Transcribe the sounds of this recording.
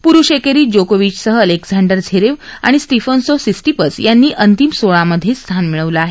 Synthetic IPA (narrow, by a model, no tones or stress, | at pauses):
puɾuʂekeɾiːd͡ʑokoʋit͡ɕsəɦəəleɡsaɳɖəɾd͡zʰʱeɾeʋa̰ɽ̃isʈ̪ifənsosisʈipəsjanːiːʔənt̪imsoɭaməd̪ʱːjest̪ʰanmiɭəʋləaɦe